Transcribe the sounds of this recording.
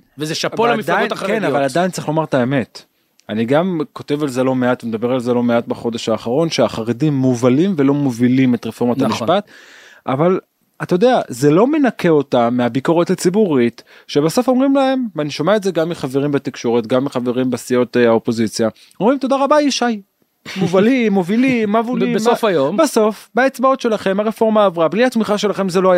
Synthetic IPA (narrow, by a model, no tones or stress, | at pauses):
vezeʃapolamidajaknavaladajint͡saʁiχlo̞maʁtaeme̞t | aniɡamko̞te̞valzelo̞meatmed̪abe̞ʁalzelo̞meatbaχo̞d̪e̞ʃhaːχaʁo̞nʃeaχaʁedimːuvalimve̞lo̞movilime̞t̪ʁefo̞ʁmat̪amiʃpat̪ | ʔaval | at̪ajod̪eazelo̞me̞nakʰe̞o̞tameabiko̞ʁethat͡sibuʁit | ʃe̞baso̞fo̞mʁimlae̞mvaniʃomeaetze̞ɡamːiχaveʁimbet̪ikʃo̞ʁet̪ɡamːiχave̞ʁimbasio̞taopo̞zit͡sja | omʁimto̞daʁabaiʃaj | movalimːovilimːavulimsofajombeso̞fbaet͡sbao̞tʃe̞laχe̞maʁefo̞ʁmaːvʁabliatmiχaʃe̞laχe̞mzeloaja